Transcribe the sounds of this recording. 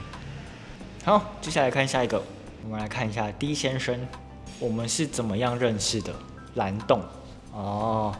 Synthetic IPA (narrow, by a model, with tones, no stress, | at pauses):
ha˧˦ʊt͡ɕo˥˧ɕja˥˩la˧ɪkʰa˥˧ɕja˥˩i˧˥ɡə˨ | wɔ˨˩mə˦nla˧˥ɪkʰa˥˩ni˨˩ɕja˥˩t̪i˥˦˥ɕjɛ˥nʂə˥n | wɔ˨˩mə˦nʂɻ̩˥˩t͡sə˨˩nmə˦jɑ˥˧ŋɻə˥˧nʂɻ̩˥˩d̪ə˩ | la˧˥nt̪ʊ˥˩ŋ | ɔ˥